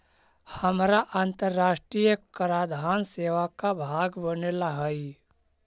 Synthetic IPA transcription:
həmɾaʔant̪əɾːaːʃʈɾijəkəɾaːd̪ʱaːnseːʋakabʱaːɡbənelaɦəi

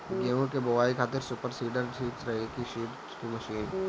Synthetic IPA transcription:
ɡeːõkebɐʋaːikʰaːt̪ɪɾsʊpəɾsiːɖəɾt͡ʃʰiːtɾɐɦekiʃiː | kimɐʃiːn

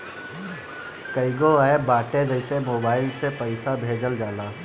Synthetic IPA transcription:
kəɪɡoaebaːʈẽd̪ɐɪsemoːbaːɪlsepɐɪsabʱeːd͡ʒəld͡ʒaːlaː

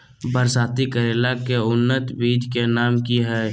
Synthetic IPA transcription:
bəɾsaːt̪ikəɾeːlakeʊnːət̪biːd͡ʒ̪ʱkenaːmkiɦɛː

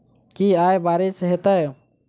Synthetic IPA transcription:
kiajbaːɾisɦet̪əj

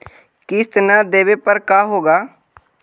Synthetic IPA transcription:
kɪst̪naːd̪eːʋeːpəɾkaːɦoːɡaː

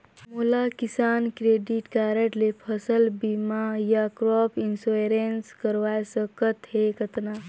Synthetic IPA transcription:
molakisaːnkɾeːɖiʈkaːɾeʈlepʰəsəlbimajakɾɔːpʰinsoeɾenskəɾʋaːjsəkət̪ɦekət̪na

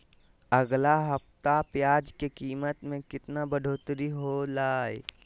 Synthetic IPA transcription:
əɡlaɦəpt̪apjaːd͡ʒkekiːmət̪mẽkɪt̪nabəɖʱoːt̪ɾiɦolaːe

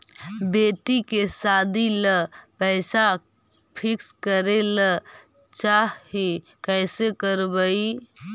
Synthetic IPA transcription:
beʈikesad̪iləpəɪsa | pʰikskəɾelə | t͡ʃai | kɛjsekəɾbəi

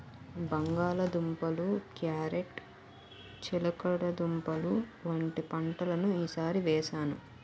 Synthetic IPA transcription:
bɐŋɡaːlɐd̪umpɐlukjaːɾeʈ | t͡ʃilɐkɐɽɐd̪umpɐluʋɐɳʈipɐɳʈɐlɐnuiːsaːɾiʋɛːʃaːnu

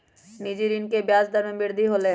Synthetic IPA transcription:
niːd͡ʒiɾinkebjaːzd̪əɾmẽbɪɾd̪ʱiɦoːleɦ

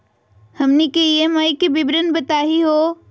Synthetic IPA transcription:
hɐmnikeijemaːikebɪbɾənbɐt̪aːɦiɦoː

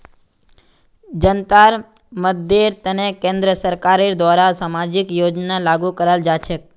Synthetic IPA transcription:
d͡ʒənt̪aɾ | mət̪̚d̪eɾt̪ənekẽnd̪ɾəsəɾkaɾiɾd̪ʋaɾasamad͡ʒikjod͡ʒnalaɡukəɾald͡ʒat͡ʃʰek

